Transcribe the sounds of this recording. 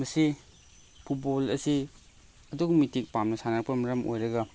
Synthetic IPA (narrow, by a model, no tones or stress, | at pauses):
mɐsi | pʰut̚bolɐsi | ɐduɡumitik̚pamnɐsanak̚pɐmɐɾɐmʔo̰jɾɐɡɐ